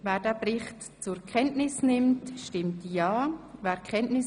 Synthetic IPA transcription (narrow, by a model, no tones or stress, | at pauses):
vɛːɾd̥ɛːbɾɪχt | t͡sʊɾkʰɛntnɪsnɪmtʃtɪmtjaːvɛːɾkʰɛntnɪs